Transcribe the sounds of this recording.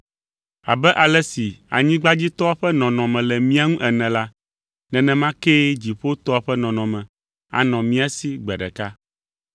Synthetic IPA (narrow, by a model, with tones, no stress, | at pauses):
a̰˨bɛ˦ʔa˨lɛ˦si˨a̰˨ɲĩ˦ɡ͡ba˦d͡ʑi˦t̪ɔ˦a˦ɸɛ˦nɔ̃˨nɔ̃˨mɛ̃˨lɛ˨mĩ˦a˦ŋũ˦ʔɛ˨nɛ̃˨la˦ | nɛ̃˨nɛ̃˨mã˦ke˦d͡ʑi˨ɸo˦t̪ɔ˦a˨ɸɛ˦nɔ̃˨nɔ̃˨mɛ̃˨ | a̰˨nɔ̃˨mĩ˦a˨si˦ɡ͡bɛ˨ɖɛ̰˨ka˦